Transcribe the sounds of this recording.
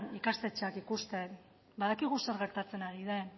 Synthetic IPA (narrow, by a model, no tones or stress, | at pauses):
ikast̪e̞t͡ʃakikust̪e̞ | baðakiɣuseɾɣe̞ɾt̪at͡se̞naɾiðe̞